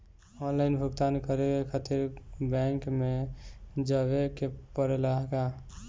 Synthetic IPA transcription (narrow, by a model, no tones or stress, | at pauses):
ɔnlaɪnbʱuɡt̪ankəɾekekʰat̪iɾbɛ̃ŋkme | d͡ʒəβekepəɾelaɦka